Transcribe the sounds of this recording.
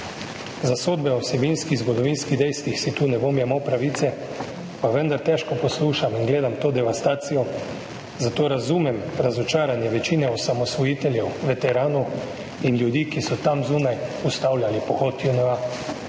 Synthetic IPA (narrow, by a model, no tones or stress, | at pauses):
zasoːd̪bɛɔsɛbinskizɡɔd̪ɔʋiːnskiɣd̪ɛjst̪ʋixsit̪uːnɛbomjɛmɔpɾaʋiːt̪sɛ | paʋənd̪aɾt̪ɛːʃkɔpɔsluːʃaminɡleːd̪amt̪oːd̪ɛʋast̪aːt̪sijɔ | zat̪oːɾazuːmɛmɾazɔt͡ʃaːɾanjɛʋɛt͡ʃiːnɛɔsamɔsʋɔjiːt̪ɛljɛwʋɛt̪ɛɾaːnu | inljud̪iːkisɔt̪amzuːnajust̪awlʲjalipɔxɔt̪junɔʋa